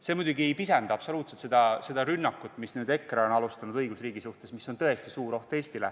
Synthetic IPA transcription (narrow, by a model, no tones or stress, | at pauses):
se̞ːmujd̪uɡiejpisend̪̥ɑpso̞luːt̪se̞lt̪se̞d̪̥ɑse̞d̪ɑɾynːɑkːut̪ːˑmisnyːd̪̥e̞kːˑreo̞nɑlust̪ɑnud̪ɤjɡ̥usriːɡisuht̪e̞smisːo̞nt̪ɤe̞st̪isuːɾo̞ht̪e̞ːsʲt̪ilḛ